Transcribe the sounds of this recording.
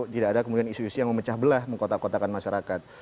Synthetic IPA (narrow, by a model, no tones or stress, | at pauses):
t̪idaːdakəmudianisuisujaŋməmət͡ʃahbəlahməŋkot̪akot̪akanmaʃaɾakat̪̚